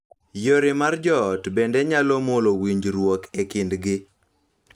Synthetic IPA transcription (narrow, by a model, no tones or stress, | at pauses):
joɾɪmard͡ʒɔːtbendeɲalɔmolowiɲd͡ʒɾwokekɪndɡɪ